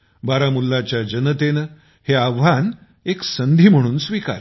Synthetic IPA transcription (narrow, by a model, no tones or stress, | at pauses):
baɾamulːat͡ɕjad͡ʑənət̪en | heaʋʋan | eksənd̪ʱiːm̤əɽ̃uːnsʋika̰ɾ